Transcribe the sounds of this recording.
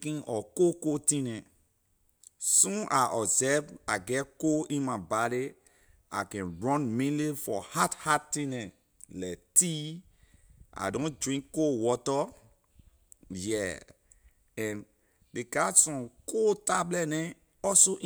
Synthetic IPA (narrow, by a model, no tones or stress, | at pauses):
kĩnʔɔkokotĩnɛ̃ | sũnʔaʔɔsɛvaɡɛtkoĩnmabali | a̰kɛ̃nɹɔ̃nmĩnlifɔhathatĩnɛ̃ | lɛti | ʔa̰dõndɹĩŋkːowɔtɔ | jɛ | ɛ̃n | dekasɔ̃mkʰotablɛtnɛ̃ | ɔsoʔ